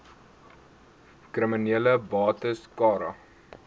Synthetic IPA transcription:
krəminiələbɑːtəskɑːɾɐ̰

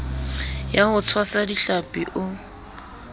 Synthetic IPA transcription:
jahʊt͡sʰwasadiɬapʼiʔʊ

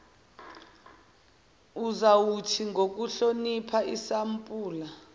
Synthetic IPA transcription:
uzawutʰiŋɡʱok̬uɬonipʰaisampʼuːla

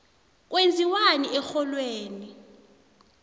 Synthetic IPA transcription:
k̬wend͡zʱiwaniʔɛxɔlweːni

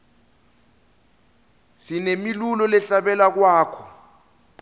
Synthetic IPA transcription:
sinemilulɔlɛɬaɓɛlak̬waːkʰɔ

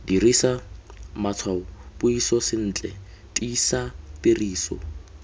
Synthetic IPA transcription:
dirisamat͡sʰwaʊbʊisɔsɪn̩ːt͡ɬʼɛ̰ | tʼiːsapɪriːsɔ̰

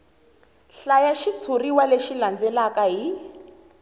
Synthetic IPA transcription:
ɬajaʃit͡sʰuriwaleʃiland͡zɛlakaɦi

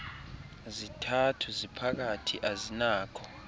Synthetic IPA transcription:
zitʰatʰuzipʰak̬atʰiʔazinaːkʰɔ

